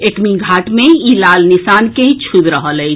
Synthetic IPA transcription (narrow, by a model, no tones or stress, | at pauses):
ekmiɡʱaʈmeilalnisankẽĩt͡ʃʰubɾəɦələɪ